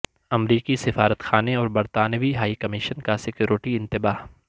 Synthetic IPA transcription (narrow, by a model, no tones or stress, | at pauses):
ɐmɾiːkisɪfaːɾət̪xaːneɔːɾbɐɾt̪aːnəʋiɦaːikɐmɪʃənkasɪkjuːɾɪʈiɪ̃nt̪ɪbaːɦ